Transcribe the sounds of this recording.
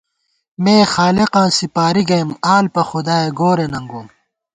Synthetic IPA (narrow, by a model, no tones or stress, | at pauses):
meːxaːleqãːsipaːɾiɡɐjimaːlpɐxud̪aːeɡoːɾenɐ̃ŋɡoːm